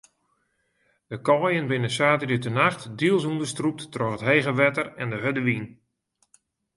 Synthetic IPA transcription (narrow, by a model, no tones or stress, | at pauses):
dəkɔːjənbɪnəsaːtərətənaxtdiəlˠsundərstrup̚tːrɔxətɦejɣəʋɛtərɛndəɦødəʋin